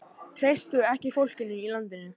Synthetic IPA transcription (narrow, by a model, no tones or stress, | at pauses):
t̪ʰɾejst̪ʏɛhcɪfowl̥cɪnːɪilant̪ɪnːʏ